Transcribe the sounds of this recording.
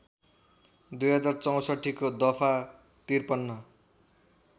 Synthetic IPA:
d̪ujɦʌd͡zart͡sʌw̃sʌʈʰːikod̪ʌpʰa | t̪irpʌnːʌ

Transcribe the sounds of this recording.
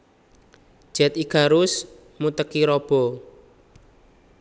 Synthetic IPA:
d̥ʒ̥ɛ̤t̪iɡa̤ɾʊs | mut̪əkiɾɔb̥ɔ̤

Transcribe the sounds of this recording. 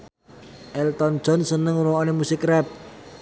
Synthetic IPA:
ʔɛlt̪ɔnd̥ʒ̥ɔ̤nsənəŋuɾoonemusɪkrɛp̚

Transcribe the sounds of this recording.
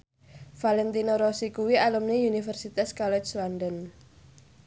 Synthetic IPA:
falɛnt̪inoɾosikuwialumneunifərsit̪askɔlɛt͡ʃlandən

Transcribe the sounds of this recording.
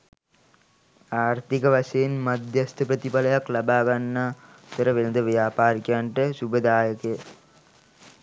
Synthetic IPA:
aːɾt̪ikɐʋɐsɐinmɐd̪jɐst̪ɐpɾɐt̪ipɐlɐjɐklɐbaːɡɐnːaː | t̪ɐɾɐʋelnd̪ɐʋjaːpaːɾikʲjaːɳʈɐsubɐd̪aːjɐkɐ

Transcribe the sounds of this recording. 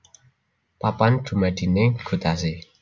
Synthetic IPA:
papand̪̥ṳmad̪̥i̤neɡ̥ṳt̪as̬e

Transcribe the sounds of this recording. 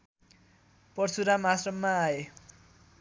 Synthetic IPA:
pʌrt͡sʰuɾamasrʌmːaːe

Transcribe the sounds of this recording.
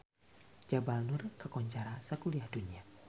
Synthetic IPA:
d͡ʒabalnʊrkəkɔɲt͡ʃaɾasəkuliahdunia

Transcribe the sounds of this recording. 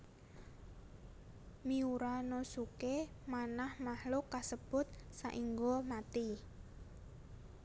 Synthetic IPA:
miuɾanosuke | manahmahlʊkasəb̥ʊt̪̚saʔiŋɡomat̪i

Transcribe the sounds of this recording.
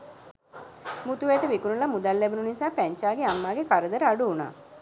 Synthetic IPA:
mut̪uʋeʈəʋikuɾulamud̪alːɛbununisaːpæɲt͡ʃaːɡeamːaːɡekaɾəd̪əɾəaɖuːna̰ː

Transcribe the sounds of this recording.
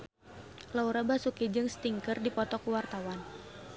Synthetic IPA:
lauɾabasukid͡ʒɨŋst̪iŋkərdipɔt̪ɔkuwart̪awan

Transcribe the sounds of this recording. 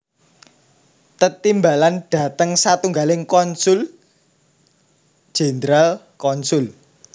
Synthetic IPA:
t̪ət̪imbalanɖ̥ä̤t̪əŋsat̪uŋɡalɪŋkɔnsʊl | ʒ̥e̤ndɾal | kɔnsʊl

